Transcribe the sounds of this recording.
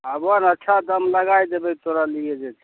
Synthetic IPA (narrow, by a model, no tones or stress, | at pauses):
əbanətːt͡ʃʰad̪əmləɡajd̪ebek̚t̪oɾalied͡ʒet̪ʰi